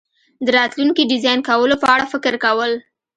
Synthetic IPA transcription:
d̪əɾɑt̪luŋkiɖɪzɑjnkawəlopəaɽafɪkɾkawəl

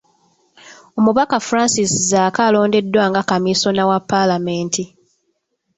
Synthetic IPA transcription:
o̞muβakafuɾaːnsiszaːkalo̞ːnde̞dːwaŋɡakamiso̞nawapːalameːntʰi

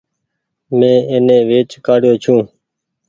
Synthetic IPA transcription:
mẽːeːnẽːʋeːt͡ʃkaːɽjoːt͡ʃʰũː

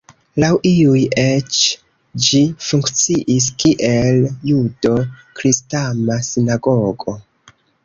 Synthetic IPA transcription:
lawiujet͡ʃ | d͡ʒifuŋkt͡siʔis̬kiʔe̞ljudo̞kɾistamasinaɡo̞ɡo̞

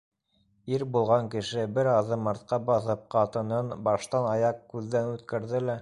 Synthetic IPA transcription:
iɾbulˠʁɑŋkɘ̆ʃɘbɘɾɑðɤmɑɾt̪̚qɑbɑθɤp̚qɑt̪ɤ̆nɤnbɑʃt̪ɑnɑjɑqkʉðːænʉt̪kæɾðɘlæ

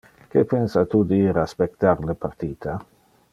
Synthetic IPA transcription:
kepensat̪ud̪iːɾaspek̚t̪aɾlepart̪iːt̪ʰa

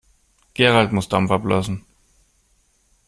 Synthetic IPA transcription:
ɡ̥eːʁaltmʊsd̥amfɐblø̰sn̩

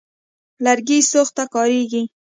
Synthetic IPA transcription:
laɾɡisoxt̪akɑɾeɡi

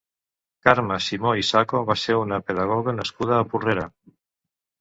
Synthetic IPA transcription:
kaɾmasimoisakoβaseunapeðaɣ̞ɔɣanaskuð̞aːpureɾa

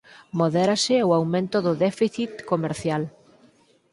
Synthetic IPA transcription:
moðeɾasɪoawmẽnt̪ʊðʊðɛfiθit̪komeɾθjal

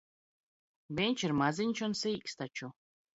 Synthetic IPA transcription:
bʲɛnʲt͡ʃiɾmaziɲʲt͡ʃunsiːkst̪at͡ʃu

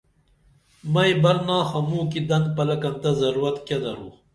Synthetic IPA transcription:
mɐjbɐɾnaːxɐmuːkid̪ɐnd̪̚pɐlɐkɐnt̪ɐzɐɾuɾɐt̪kɐd̪ɐɾuː

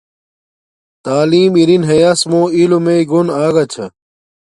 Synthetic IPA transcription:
t̪aːliːmiɾinɦejasmoːilomeiɡonaːɡɐt͡ɕʰɐ

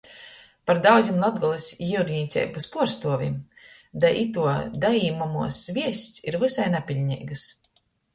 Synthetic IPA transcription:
paɾd̪awd̪zʲimlˠad̪̚ɡɔlˠisʲjiuɾɲʲiːt̪sʲɛ̰ːjpuspuɔɾst̪uɔvʲḭm | d̪ajʔit̪uɔd̪ajiːmamuɔszvʲiɛsʲt̪siɾvɨsajnapʲilʲɲʲḭːɡɨs

